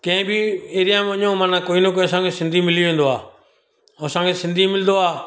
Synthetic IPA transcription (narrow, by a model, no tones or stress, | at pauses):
kɛ̃ːbʱieːɾɪjaːməɲõmaːnãːkoːinõkosãːŋɡeːsɪ̃nd̪ʱimɪlijoʋẽːnd̪oaː | oːsãːŋɡeːsɪ̃nd̪ʱimɪld̪oaː